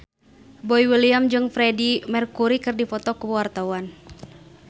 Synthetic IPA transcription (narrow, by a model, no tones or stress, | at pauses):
bɔiwiliamd͡ʒɨŋfɾɛdimɛrkuɾikɨrdifɔt̪ɔkuwart̪auan